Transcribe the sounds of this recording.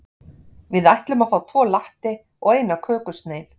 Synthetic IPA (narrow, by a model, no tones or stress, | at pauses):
vɪðajht̪lʏmaðfaːwt̪ʰvɔːlaht̪ɪ | ɔɣeːjnakʰœːkʏst̪neːjθ